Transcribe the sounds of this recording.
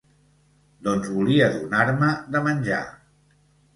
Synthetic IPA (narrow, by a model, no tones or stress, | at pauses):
d̪ɔnzβuliəðunaɾməðəmənʲʒa̰